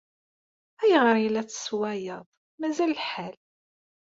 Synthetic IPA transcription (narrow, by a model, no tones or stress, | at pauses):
æjəʁɾˤjlːæt͡sːə̥swæjəðˤ | mæzællħæl